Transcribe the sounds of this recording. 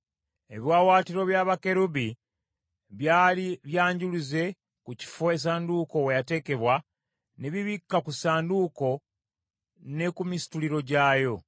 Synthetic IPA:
e̞βjwaːwaːtiɾo̞βjaːβake̞ɾuβi | βjaːliβjaːɲɟuluze̞ | kuci̥foe̞s̬aːnduko̞wejate̞ːke̞βwa | ne̞βiβikːakusaːnduko̞ | ne̞kumisi̥tuliɾo̞ɟaːjo̞

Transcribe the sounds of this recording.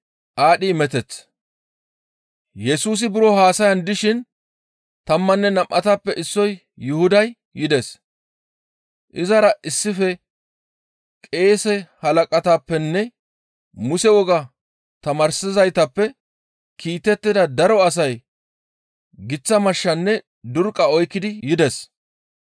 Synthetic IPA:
ʔaːɗimɛt̪ɛt͡s | jɛsuːs̬ɪbɪɾɔɦaːsɐjɐnd̪ɪʃɪn | t̪ɐmːɐnːɛnɐmʔːɐt̪aːpːɛʔɪsːɔj | jʊhʊd̪ɐj | jɪd̪ɛs | ʔɪzɐɾɐʔɪsːɪfɛ | kʼe̞ːsɛhɐlɐkʼɐt̪aːpːɛnːɛ | mʊsɛwɔɡɐ | t̪ɐmɐɾsɪzɐjt̪ɐpːɛ | kʰiːt̪ːɛt̪ːɪd̪ɐd̪ɐɾɔɐs̬ɐj | ɡɪt͡sːɐmɐʃːɐnːɛ | d̪ʊɾkʼːɐɔjkːɪd̪ɪjɪd̪ɛs

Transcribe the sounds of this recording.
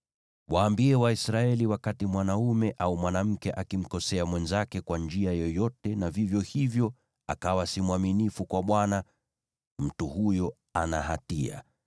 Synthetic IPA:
waːmbiɛwaisɾaɛliwakatimwanaumɛʔaumwanam̩kɛʔakim̩kɔsɛamwɛnzakɛkwand͡ʒiajɔjɔtɛnavivjɔhivjɔ | a̰kawasimwaminifukwaɓwana | m̩tuhujɔ | anahatia̰

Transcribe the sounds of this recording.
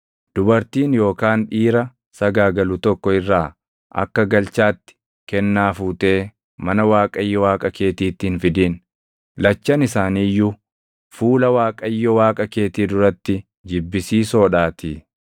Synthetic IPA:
d̪̥ʊbɐɾt̪iːnjo̞ːkaːnᶑiːɾɐ | sɐɡaːɡɐlʊt̪ɔkːɔɪrːaː | ʔɐ̰kːɐɡɐlt͡ʃaːt̪ːɪ̥ | kɛnːaːfuːt̪e̞ː | mɐnɐwaːkʼɐjːɔwaːkʼɐke̞ːt̪iːt̪ːɪhɪnfɪd̪iːn | lɐt͡ʃːɐnɪsaːniːjːʊ | fuːlɐwaːkʼɐjːɔwaːkʼɐke̞ːt̪iːd̪ʊɾɐt̪ːɪ | d͡ʒɪbːɪsiːso̞ːᶑaːt̪ɪ

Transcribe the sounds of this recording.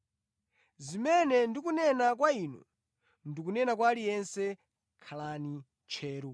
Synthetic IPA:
zimɛnɛndikunɛnak̬waiːnɔ̰ | ndikunɛnak̬walijɛnsɛ | kʰalani | t͡ʃʰɛːɾɔ

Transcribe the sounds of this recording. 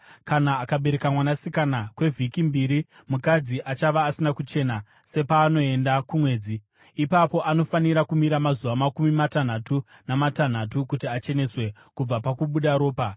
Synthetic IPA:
kanaːkaɓe̞ɾe̞kamwanasikanakwe̞vʱikimbiɾimukad͡ziʔat͡ʃaʋaːsinakut͡ʃe̞na | se̞paːno̞e̞ndakumwe̞ːd͡zi | ipapo̞ʔano̞faniɾakumiɾamazuʋamakumimatan̤atunamatan̤atukutiat͡ʃe̞ne̞swe̞ | kub͡vapakuɓuɗaɾo̞ːpa

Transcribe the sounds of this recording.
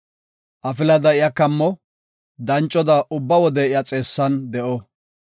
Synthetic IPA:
ʔɐfɪlɐd̪ɐɪjɐkɐmːɔ | d̪ɐnt͡ʃʼːɔd̪ɐʔʊbːɐwɔd̪ɛɪjat͡sʼe̞ːsːɐnd̪ɛʔɔ

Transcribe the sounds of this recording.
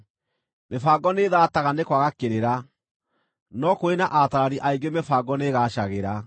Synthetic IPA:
mefaːɡɔneðaːtaɣanekwaɣakeɾeɾa | nɔkoenaʔataɾaɾiʔaiŋɡemefaːɡɔneɣaːɕaɣeɾa

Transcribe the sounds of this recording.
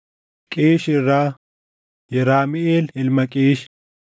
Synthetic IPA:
kʼiːʃɪɾaː | jɛɾaːmɪeːlɪlmɐkʼiːʃ

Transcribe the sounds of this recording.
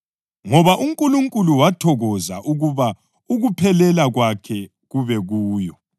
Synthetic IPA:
ŋɔβaʔuŋkʼuluŋkʼuluwatʰɔɣɔzaʔuɣuβa | uɣupʰɛlɛlaɣwakʰɛ | ɣuβɛɣuːjɔ

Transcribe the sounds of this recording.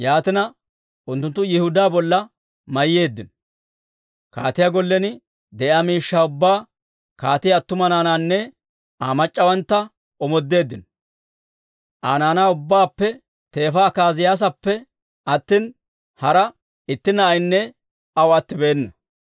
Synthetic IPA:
jaːt̪ɪnɐ | ʔʊnt̪ːʊnt̪ːʊjɪhʊd̪aːbɔlːɐ | mɐjːe̞ːd̪ːɪn | ka̰ːt̪ɪjaɡɔlːɛnɪ | d̪ɛʔjaːmiːʃːaːʊbːaː | kaːt̪ɪjɐt̪ːʊmɐnaːnaːnːɛ | aːmɐt͡ʃʼːɐwɐnt̪ːɐ | ɔmɔd̪ːe̞ːd̪ːɪnɔ | ʔaːnaːnaːʊbːaːpːɛ | t̪e̞ːfakaːzɪjaːs̬ɐpːɛ | ɐt̪ːiːn | hɐɾɐ | ɪt̪ːɪnɐːjnːɛ | ɐwɐt̪ːɪbe̞ːnːɐ

